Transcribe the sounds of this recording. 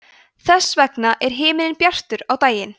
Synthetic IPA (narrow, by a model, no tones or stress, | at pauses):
θɛsːvɛknaʔɛɾ̥ɦɪːmɪnɪnpjar̥t̪ʏɾawt̪aːjɪn